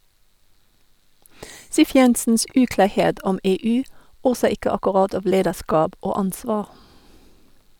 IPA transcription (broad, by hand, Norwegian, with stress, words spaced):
ˈsiːf ˈjɛnsn̩s ˈʉːklɑːˌheːd ˈʔɔm ˈeːˌʉː ˈoːsə ˈɪkə ɑkɔˈʁɑd ˈɑːʋ ˈleːdəˌʃkɑːb ˈʔoː ˈɑnsʋɑː